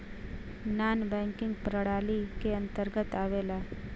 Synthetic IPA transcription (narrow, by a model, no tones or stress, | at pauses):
naːnbɛ̃ːŋkɪ̃ŋɡpɾəɽaːlikeə̃nt̪əɾɡət̪aʋeːla